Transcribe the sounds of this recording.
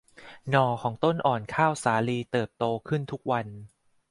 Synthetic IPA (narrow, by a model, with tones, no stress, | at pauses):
nɔː˧kʰɔː˩˦ŋt̪o˥˩nʔɔː˨˩nkʰaː˥˩wsaː˩˦liː˧t̪ɤː˨˩p̚t̪oː˧kʰɯ˥˩nt̪ʰu˦˥k̚wa˧n